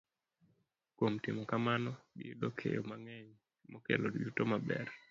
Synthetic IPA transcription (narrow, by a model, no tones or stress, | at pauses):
kwomtɪmokamanɔɡɪdokʰḛjomaŋɛɲ | mokḛlodjutomabɛ̰r